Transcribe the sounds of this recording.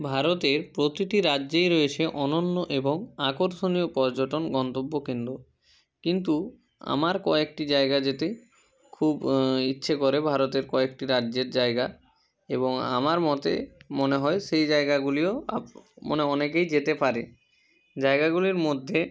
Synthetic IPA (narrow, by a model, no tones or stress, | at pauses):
bʱaɾot̪eɾpɾot̪iʈiɾadʑejɾoet͡ɕʰeʔɔnonːoʔeboŋakoɾʃoniopɔɾd͡ʑoʈonɡɔnt̪obːokind̪ɾo | kint̪u | a̰maɾkɔek̚ʈid͡ʑaeɡad͡ʑet̪e | kʰubitːɕʰekoɾebʱaɾot̪eɾkɔekʈiɾadd͡ʑeɾd͡ʑaeɡa | eboŋa̰maɾmɔt̪ḛmoneɦɔeʃejd͡ʑaeɡaɡulioamo̰neɔnek̬ejd͡ʑet̪epaɾe | d͡ʑaeɡaɡuliɾmod̪ʱːe